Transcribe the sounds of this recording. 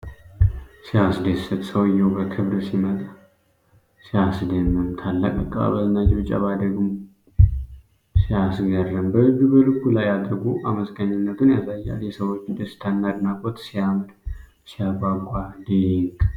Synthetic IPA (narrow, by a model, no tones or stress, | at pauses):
sijasd̪esət̪səwɨjːɛwbəkʰɨβɾsimət̪ʼa | sijasd̪əmːɨmt̪ʰalːə̰kʼəkʼːa̰βəznad͡ʒɪβɨt͡ʃʼa̰βad̪əɡum | sijasɡərːɨmbəhɨɡubəlɨkːulajad̪ɾɡuʔaməsɡəɲɪnːət̪ʰunjazajːa̰ljɛsəwo̞t͡ʃːd̪əst̪ʰanːad̪ɨnakʼot̪sijamɨd̪ | sijaɡaɡʷʼad̪iliŋk